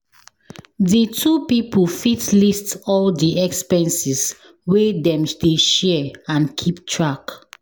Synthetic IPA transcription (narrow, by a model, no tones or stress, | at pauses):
ditʰupipəlfitlistɔldiʔɛkspɛ̃nsis | wedɛ̃mdeʃɛãnkʰiptʰɹak